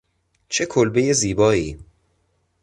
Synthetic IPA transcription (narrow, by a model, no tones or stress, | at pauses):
t͡ʃʰe̞kʰolbe̞je̞ziːbɒːiː